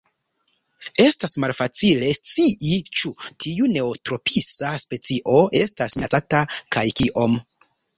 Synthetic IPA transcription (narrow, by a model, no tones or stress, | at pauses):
e̞stasmalfat͡sile̞st͡siʔit͡ʃutʰiune̞otɾo̞pisaspe̞t͡siʔo̞ʔe̞stasat͡satakajkiʔo̞m